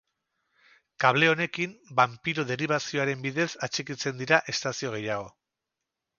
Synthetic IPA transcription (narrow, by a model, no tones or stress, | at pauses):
kaβ̞le̞o̞ne̞kimbampiɾoðe̞ɾiβ̞asio̞aɾe̞mbiðe̞sat͡ʃikit͡se̞nd̪iɾaʔe̞st̪asio̞ɣ̞e̞jaɣ̞o̞